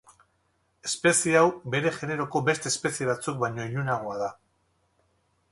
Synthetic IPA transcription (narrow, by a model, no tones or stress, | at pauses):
e̞spe̞siawbe̞ɾe̞ʝe̞ne̞ɾo̞ko̞be̞st̪eːspe̞sie̞βat͡suk̚bajɲo̞iʎunaɣ̞o̞aða